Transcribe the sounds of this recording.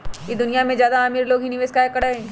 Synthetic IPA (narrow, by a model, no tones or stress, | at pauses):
kid̪ʊnijamẽzjaːd̪aaːmiːɾloːɡɦinɪʋeːskaekɐɽaɦɛ̃ː